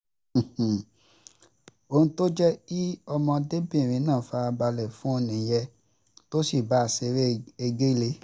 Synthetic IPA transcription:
h̩˨ | o˧hũ˧to˦d͡ʒɛ˦ki˦ɔ˧mɔ̃˧de˦bĩ˦˨ɾ̃ĩ˨˦nãː˦˨fa˧a˧ba˧lɛ˨fũ˦o˧nĩ˨jɛ˧ | to˦si˦˨ba˦a˨se˧ɾe˦e˧ɡe˦le˧

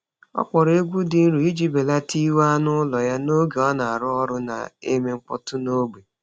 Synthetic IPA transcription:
ɔ̰˦k͡pɔ˨ɾe˦ɡʷu˦dɪ˨n̩˦ɾu˨i˦d͡ʒi˦be˨la˦ti˦wa˦nʊ˦lɔ˨ja˦no˦ɡe˨ɔ˦na˨a˨ɾʊ˦ɔ˦ɾʊ˦na̰˨e˦me˦ŋ͡m̩˦k͡pɔ̰˦tʊ˦no˦ɡ͡be˨

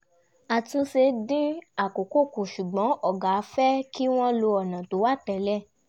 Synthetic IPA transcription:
a˨tũ˧se˧dĩ˦a˦˨ko˨ko˦˨ko˨ʃu˨ɡ͡bɔ̃˨˦ɔ˦˨ɡa˨˧fɛ˦ki˦w̃ɔ̃˦lo˧ɔ˨nã˨to˨˦wa˦˨tɛ˨lɛ˦˨

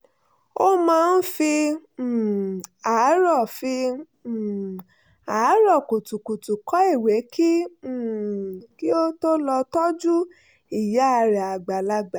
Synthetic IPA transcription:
o˦mãː˨˦˧n̩˦fĩ˧˨ | a˨˦ɾɔ˦˨fi˧˨ | a˨˦ɾɔ˦˨ko˨tu˨ku˨tu˨kɔ˨˦i˦˨we˨˦kĩ˦˨ | ki˦o˦to˦lɔ˧tɔ˦d͡ʒu˦ | i˦˨ja˨˦a˧ɾɛ˨a˨ɡ͡ba˨la˧ɡ͡ba˨

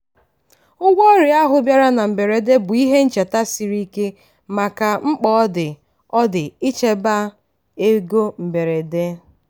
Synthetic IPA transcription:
ʊ˦ɡʷɔ˦ɾɪ˨a˦ɦʊ˦bja˦ɾa˦na˨m̩˨be˨ɾe˨de˦bʊ˨i˦ɦe˦n̩˦t͡ʃe˨ta˦si˨ɾi˦ke˦ | ma˨ka˨ŋ͡m̩˦k͡pɔ˦dɪ˨ | ɔ˦dɪ˨i˦t͡ʃe˨ba˦ | e˦ɡo˦m̩˨be˨ɾe˨de˦

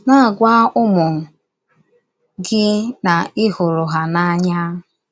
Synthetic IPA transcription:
na˦a˨ɡʷa˦ʊ˦mʊ˨ŋ̩˨ | ɡɪ˦na˨ɪ˦hʊ˨ɾʊ˨ɦa˨na˦ɲa˦

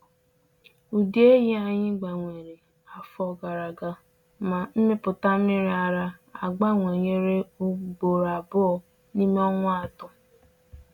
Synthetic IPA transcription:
u˨di˦e˦ji˦a˦ɲɪ˦ɡ͡ba˨ŋʷe˨ɾe˨ | a˨fɔ˨ɡa˨ɾa˨ɡa˨ | ma˨m̩˦mɪ˦pʊ˨ta˦mɪ˦ɾa˨ɾa˦a˨ɡ͡ba˦ŋʷe˨ɲe˦ɾe˦o˦ɡ͡bo˨ɾa˨bʊ˦ɔ˨ | ni˦me˦ɔ˦ŋʷa˦a˨tʊ˨

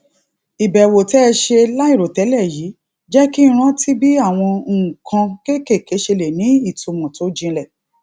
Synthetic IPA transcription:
i˨bɛ˨wo˨tɛ˦˧ʃe˧la˦i˦˨ɾo˨tɛ˨˦lɛ˦˨ji˨˦ | d͡ʒɛ˦ki˦˧ɾ̃ã˦tʰi˦bi˦a˦˨w̃ɔ̃˧˦˨kʰã˧ke˦ke˦˨ke˨˦ʃe˧le˨nĩ˨˦i˦˨to˧mɔ̃˨to˨˦d͡ʒĩ˧lɛ˦˨

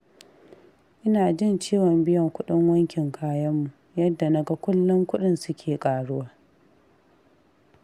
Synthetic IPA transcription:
ʔɪ˦naː˨d͡ʒɪ˦nt͡ʃiː˦wɔ˨mbɪ˦jɐ˨ŋkʷʊ˦ɗɪ˦ŋwɐ˦ŋkʲɪ˨ŋkʰaː˦jɐ˦mːu˨ | jɐ˦dːa˨nɐ˦ɡa˦kʷʊ˦lːʊ˦ŋkʷʊ˦ɗɪ˦nsʊ˦kʲʰeː˨kʼaː˨ɽʊ˦waː˦

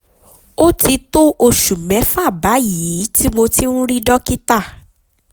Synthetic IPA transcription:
o˦ti˧to˦ʔo˧ʃu˨mɛ̃˨˦fa˦˨ba˨˦ji˨˦ti˦mo˧ti˦nũ˦ɾi˦dɔ˦ki˦ta˦˨

